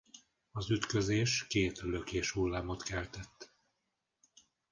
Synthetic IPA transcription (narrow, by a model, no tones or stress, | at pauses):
ɒzyt̪køzeːʃkeːt̪lø̞keːʃhulːaːmo̞t̪kɛlt̪ɛt̪ː